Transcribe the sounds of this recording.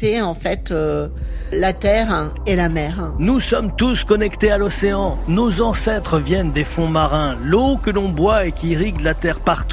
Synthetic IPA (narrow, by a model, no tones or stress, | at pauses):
eɑ̃fɛt̪ø | lat̪ɛʁ | elamɛːʁnusɔmt̪uskɔnɛkt̪ealɔseɑ̃nozɑ̃sɛt̪χəvjɛnd̪efɔ̃maʁɛ̃lokəlɔ̃bwaekʲiʁiɡlat̪ɛʁpaʁt̪u